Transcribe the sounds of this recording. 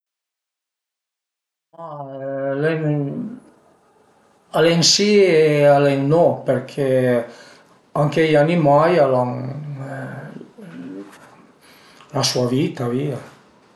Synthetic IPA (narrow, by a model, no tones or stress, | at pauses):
malɛŋ | aleŋsiealeŋnɔpeɾkʰe | aŋkejanimajalaŋ | lasuavit̪avia